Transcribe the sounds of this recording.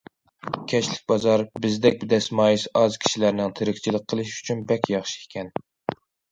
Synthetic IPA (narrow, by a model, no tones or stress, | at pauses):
kʲʰɛʃlɪk̚ʲbɑzɑɾbɪzd̪ɛk̚ʲbɪd̪ɛsmɑːjisɑzkʲʰi̥ʃilæɾnɪŋt̪ʰeɾɪkʲt͡ʃʰilˠəq̚qʰːəlˠɨʃy̥t͡ʃʰynbɛkʲjɑχʃi̥ekʲʰɛn